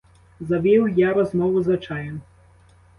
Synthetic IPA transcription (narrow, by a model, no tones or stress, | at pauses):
zɐʋʲiwjaɾɔzmɔʋʊzɐt͡ʃajɛn